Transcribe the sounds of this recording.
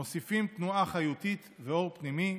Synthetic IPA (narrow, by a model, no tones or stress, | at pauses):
osifimt̪nuaχajut̪it̪veo̞ʁpnimi